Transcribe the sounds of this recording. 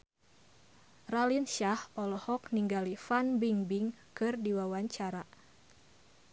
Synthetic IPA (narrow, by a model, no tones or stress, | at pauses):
ralinʃahɔlɔhɔk̚niŋɡalifanbiŋbiŋkɨrdiwawaɲt͡ʃaɾa